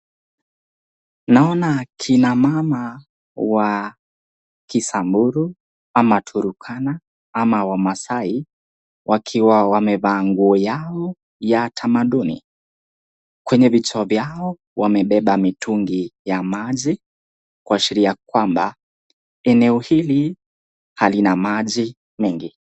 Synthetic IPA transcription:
naɔnakʰinamama | wa | kisambuɾu | amatʰuɾukʰana | amawamasai | wʔakʰiwawamɛvaːŋɡuɔjaɔ | jatʰamaɗunḭ | kwɛɲɛvit͡ʃːvjaɔ | wamɛɓɛɓamituŋɡijamaʄi | kwaʃiɾiakwamba̰ | ɛnɛɔhili | halinamaʄi | mɛŋɡi

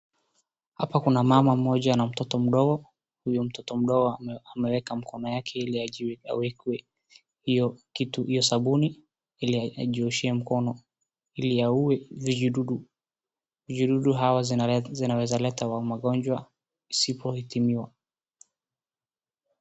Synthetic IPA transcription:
hapakunamamam̩mɔʄanam̩tɔtɔm̩ɗɔɡɔ | hujum̩tɔtɔm̩ɗɔɡɔamɛwɛkam̩kʰɔnɔjakʰɛiliaa̰wɛkwɛ | hijɔkituhijɔsaɓuni | iliaa̰ʄiɔʃiɛm̩kɔnɔ | iliauɛviɗuɗu | vid͡ʒuɗuɗuɦawazinawɛzalɛtawamaɠɔnd͡ʒwa | isipʰɔhitimiwa

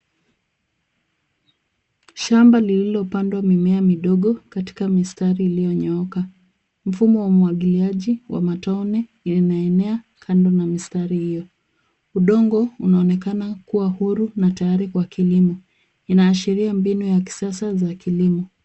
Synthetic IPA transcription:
ʃambalililɔpandwamimɛamiɗɔɠɔkati̥kamistaɾiːlijɔɲɔɔka | m̩fumɔwamuwaɠiliaʄiwa̰mataunɛ | naɛnɛa | kʰandɔnamistaɾihijɔ | uɗɔŋɡɔunaɔnɛkanakuwahuɾunatajaɾikwakilimɔ | inaːʃiɾiambinujaki̥sasazakilimɔ

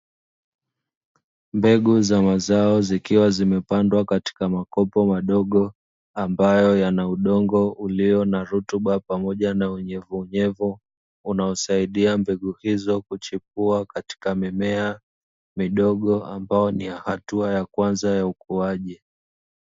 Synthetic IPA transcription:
mbɛɠuzamazaɔzikiwazimɛpandwakati̥kamakɔpɔmaɗɔɠɔ | ambajɔjanauɗɔŋɡɔuliɔnaɾutuɓapamɔʄanauɲɛvuːɲɛvu | unaɔsaiɗiambɛɠuhizɔkut͡ʃip̚uakati̥kamimɛa | miɗɔɠɔambaɔnijahatuajakwanzajaukuaʄi

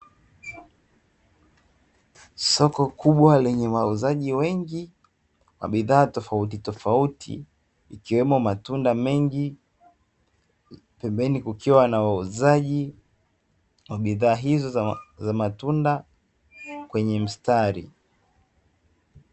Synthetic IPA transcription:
sɔkɔkuɓwalɛɲɛwauzaʄiwɛŋɡi | wa̰ɓiðaːtɔfaut̬itɔfautʰḭ | ikiwɛmɔmatundamɛŋɡi | pɛmbɛnikukʰiwanawauzaʄi | waɓiðaːɦizɔzamatunda | kwɛɲɛm̩staɾḭ

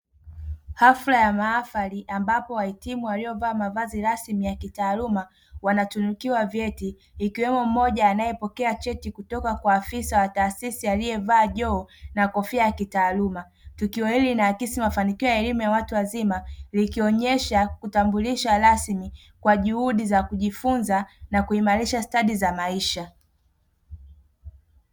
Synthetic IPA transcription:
haflajamaːfaliʔambapɔwaɛtimuwaliɔvaːmavaziɾasmijakitaːluma | wanatunukiwavjɛtiː | kiwɛmum̩mɔʄaːnajɛpɔkɛat͡ʃɛtikutɔkakwaːfisawataːsisialijɛvaːʄɔːnakɔfiajakitaːluma | tukiɔhilinaːkisimafanikiɔjaɛlimujawatuwazimalikiɔɲɛʃakutambuliʃaɾasmi | kwaʄuhuɗizakuʄifunzanakuimaɾiʃastaɗizamaiʃa

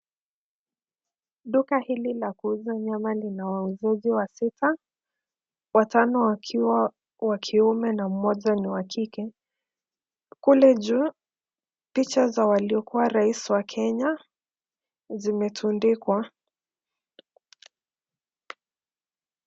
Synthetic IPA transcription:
ɗukahililakuuzaɲamalinawauzɛʄiwasitʰa | watanɔ | wakʰiumɛnam̩mɔʄaniwakʰikɛ | kulɛʄu | pit͡ʃazawaliɔkuwaɾaisiwakʰɛɲa | zimɛtʰundikwa

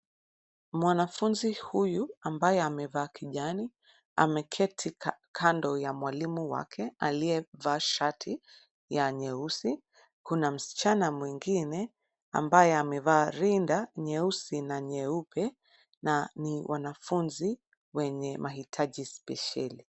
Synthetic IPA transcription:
mwanafunzihujuambajɛamɛvaːkʰiʄani | a̰mɛkʰɛtʰikʰandɔjamwalimuwa̰kʰɛaliɛvaːʃatʰi | jaɲɛusi | kunam̩si̥t͡ʃanamwiŋɡinɛ | a̰mbajɛamɛvaːɾindaɲɛusinaɲɛupʰɛ | naniwʔa̰nafunzi | wɛɲɛmʔahitʰaʄispɛʃa̰li

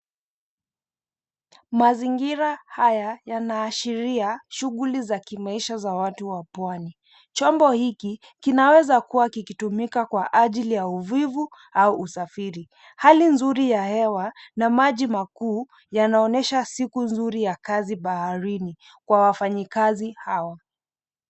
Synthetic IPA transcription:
maziŋɡiɾahajajanaːʃiɾiaʃuɣulizakimaiʃazawatuwapwani | t͡ʃɔmbɔhiki | kinawɛzakuwakikitumikakwaʔaʄilijauvivu | auːsafiɾi | halinzuɾijahɛwanamaʄimakuː | janaɔnɛʃasikunzuɾijakaziɓahaɾini | kwawafaɲikazihawa

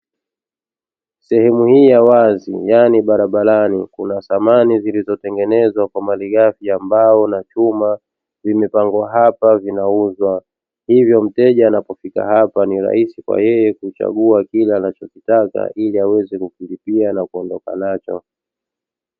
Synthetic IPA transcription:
sɛhɛmuhiːjawazḭjaniɓaɾaɓaɾanikunaθamanizilizɔtɛŋɡɛnɛzwakwamaliɠafiambaɔnat͡ʃuma | vimɛpaŋɡwaɦapavinauzwa | hivjɔm̩tɛʄaːnapɔfika̰hapaniɾa̰hisikwa̰jɛjɛkut͡ʃa̰ɠuakilaːnat͡ʃɔkitaka̰ʔiliawɛzɛkukilipianakuɔndɔka̰nat͡ʃɔ̰

